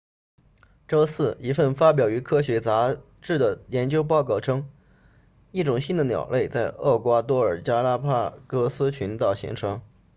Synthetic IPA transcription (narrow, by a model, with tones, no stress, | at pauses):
ʈ͡ʂo˥ʊsɹ̩˥˩i˧˥fə˥˩nfa˥p̬jɑ˨˩ʊy˧˥kʰɤ˥ɕɥɛ˧˥t͡sa˧˥ | ʈ͡ʂɻ̩˥˩d̪ə˩jɛ˧˥nt͡ɕjo˥ʊp̬ɑ˥˧ʊkɑ˥˩ʊʈ͡ʂʰɤ˥ŋ | i˥˩ʈ͡ʂʊ˨˩ŋɕi˥nd̪ə˨njɑ̰˨˩ʊlʔe˥˧ɪt͡sa˥˧ɪɤ˥˩kwa˥t̪wɔ˥ə˞˨˩t͡ɕja˥la˥pʰa˥˩kɤ˥sɹ̩˥t͡ɕʰy˧˥nt̪ɑ˥˩ʊɕḭ˧˥ŋʈ͡ʂʰɤ˧˥ŋ